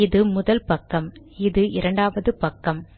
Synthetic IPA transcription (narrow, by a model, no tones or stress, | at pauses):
ɪðɯmʊðɐlpɐkːɐm | ɪðɯʔɪɾɐɳɖaːʋɐðɯpɐkːɐm